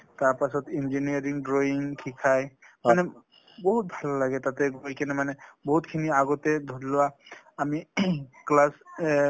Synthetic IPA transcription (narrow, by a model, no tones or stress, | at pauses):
t̪aɾpasɔt̪ind͡ʒiniaɾiŋɖɾoiŋkʰikʰaj | mane | bɔɦut̪̚bʱalɔlaɡɛt̪at̪eɡojkɛnɛmanebɔɦut̪kʰiniaɡɔt̪ed̪ʱudlɔwa | amiklas